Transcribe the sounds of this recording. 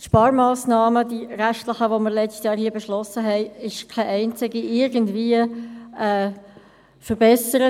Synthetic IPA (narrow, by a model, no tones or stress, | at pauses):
ʃpɑːɾmaːsnɑːməd̥iɾæxtləχəʋoməɾlɛt͡stjɑːɾhiːəbɛʃlɔsəɦɛɪɪʃkʰaɪʔɛɪnt͡sɪɡiʔɪɾɡən̩dviəɛː | fəɾbɛsəɾə